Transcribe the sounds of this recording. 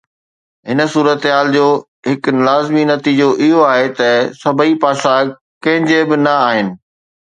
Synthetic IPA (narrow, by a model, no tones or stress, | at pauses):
ɦɪnə̆suːɾət̪ɦaːld͡ʑoː | ɦɪklaːzminɐt̪iːd͡ʑoʔɪɦoaːɦet̪ɐsɐbʱəipaːsa | kɐ̃ɦɪ̃ɲd͡ʑebɪnɐaːɦɪnɪ̆